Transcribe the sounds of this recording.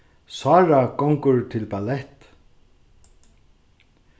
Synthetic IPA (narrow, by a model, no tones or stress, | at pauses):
saːɹakɔŋkʊɹt̪ʰɪlpalɛht̪